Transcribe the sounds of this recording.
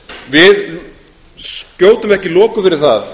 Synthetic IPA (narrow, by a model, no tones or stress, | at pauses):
vɪð | scoːwt̪ʏmɛhcɪlɔːkʏfɪɾɪɾ̥θaθ